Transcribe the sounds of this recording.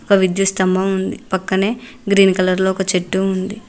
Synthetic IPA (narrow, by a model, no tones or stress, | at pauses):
ɔkɐʋid̪just̪ɐmbɐund̪ipɐkːɐne̞ː | ɡɾiːnkɐlɐɾlo̞ːɔkɐt͡ʃeʈːuund̪i